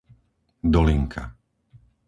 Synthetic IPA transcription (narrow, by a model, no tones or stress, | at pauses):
d̪ɔliŋkʰa̰